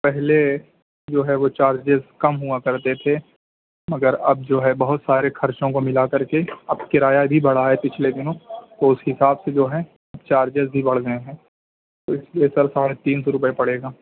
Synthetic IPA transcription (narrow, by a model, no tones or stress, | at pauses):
pɛɦle | d͡ʒoːɦɛʋot͡ʃaːɾd͡ʒezkɐmɦʊakɐɾt̪et̪ʰe | mɐɡəɾɐb̚d͡ʒoːɦɛbɐɦʊt̪saːɾexɐɾt͡ʃõkomɪlakɐɾkeɐbkɪɾaːjabʱibɐɽ̤aɦɛpɪt͡ʃʰled̪ɪnõt̪oʊsɦɪsaːbsed͡ʒoːɦɛ̃ | ɐbt͡ʃaːɾd͡ʒɪzbʱibɐɽ̤ɡɐeɦɛ̃ː | t̪oɪsliesɐɾsaːɽet̪iːnsɔɾʊp̬əepɐɽeːɡaː